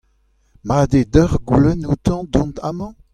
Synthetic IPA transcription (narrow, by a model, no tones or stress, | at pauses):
mad̪ed̪œʁɡulɛnut̪ɑ̃d̪ɔ̃nt̪ʰamɑ̃